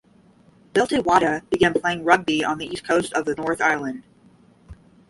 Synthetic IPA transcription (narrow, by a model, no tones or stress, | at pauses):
b̥ɪlˠtiwɑɾɨb̥ɨɡæ̃npʰl̥eɪɪ̃ŋɹʌɡ̚biə̰̃nðiiskʰoʊstʌvðɨnɔɹθaɪlˠɨ̃nd̥